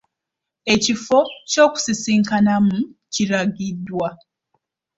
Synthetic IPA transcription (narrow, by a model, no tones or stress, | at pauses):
e̞cifo̞co̞ːku̥sisiːŋkanamuciɾaɡidːwa